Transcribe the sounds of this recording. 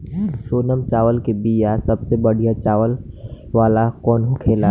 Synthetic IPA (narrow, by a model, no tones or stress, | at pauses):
ʃoːnəmt͡ʃaːʋəlkebiːjasɐbsebəɽ̤ijat͡ʃaːʋəl | ʋaːlakɔːnɦukʰeːla